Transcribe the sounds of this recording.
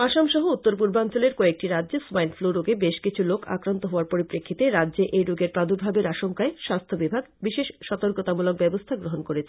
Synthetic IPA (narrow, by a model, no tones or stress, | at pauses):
aʃamʃɔɦout̪ːoɾp̬uɾbant͡ɕoleɾkɔek̚ʈiɾadːʑesmajnʈfloɾuɡebeʃkit͡ɕʰulokʰa̰kɾant̪oɦoaɾpoɾipɾekʰːit̪eɾadːd͡ʑeʔejɾuɡeɾpɾad̪ʱuɾbʱabeɾaʃoŋkaeʃast̪ʰobibʱaɡbiʃeʃʃɔt̪oɾkot̪amulok̚bɛbost̪ʰaɡɾoɦonkoɾet͡ɕʰe̥